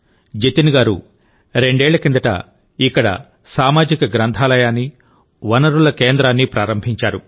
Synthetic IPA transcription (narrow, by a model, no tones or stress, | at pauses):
d͡ʒet̪inɡaːɾṵ | ɾe̞ɳɖɛːɭːɐkind̪ɐʈɐ̰ | ikːɐɽɐ̰ | saːmaːd͡ʒikɐɡɾɐnt̪ʰaːlɐjaːnːi | ʋɐnɐɾulɐkeːnd̪ɾaːnːipɾaːɾɐmbʱiɲt͡ʃaːɾu